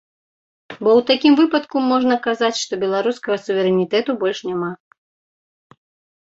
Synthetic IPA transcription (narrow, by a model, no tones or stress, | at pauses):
bɔwt̪akʲimvɨpɐt̪kumɔʐnɐkazat͡sʲʂt̪ɔbʲɛlˠaɾuskɐɣɐsuvʲɛɾɛnʲit̪ɛt̪ubɔlʲʂnʲama